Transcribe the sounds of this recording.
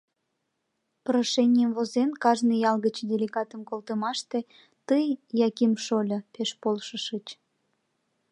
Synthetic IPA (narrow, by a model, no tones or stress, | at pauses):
pɾoʃenʲijəmvozenkɑʒnɨjɑlɣət͡ɕd̪ʲelʲeɣɑt̪əmkolt̪əmɑʃt̪e̽ | t̪əjjɑkimʃolʲəpeʃpolʃəʃət͡ɕ